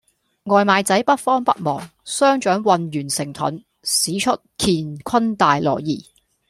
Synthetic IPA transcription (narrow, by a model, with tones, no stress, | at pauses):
ŋɔː˨jmaː˨˧jt͡sɐ˨˥jpɐ˥t̚fɔː˥ŋpɐ˥t̚mɔ̰ː˨˩ŋsœː˥ŋt͡ʃœː˨˥ŋwɐ˨˧njyː˨˩nsɪ˨˩ŋt̪ʰɐ̰˨˥n | siː˨˥t͡ʃʰɵ˥t̚kʰiː˨nkʷʰɐ˥nt̪aː˨jlɔ̰ː˨˩jjiː˨˩